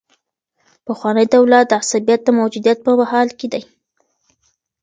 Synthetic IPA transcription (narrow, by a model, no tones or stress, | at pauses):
pəxwɑnəjd̪awlat̪̚d̪əasabijat̪̚d̪əmawd͡ʒud̪ijat̪̚pəmahɑlked̪aj